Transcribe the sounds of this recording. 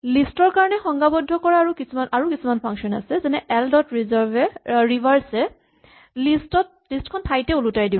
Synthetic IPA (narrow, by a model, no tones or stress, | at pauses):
listɔɹkaɹɔnɛxɔŋɡabɔdʱːɔkɔɹaːɹukisumanaɹukisumanpʰaŋksɔna̰sɛzɛnɛʔɛldɔtɹizɔɹbɛɹibʱaɹsɛ | listɔt̚ | listkʰɔntʰajtɛulutajdi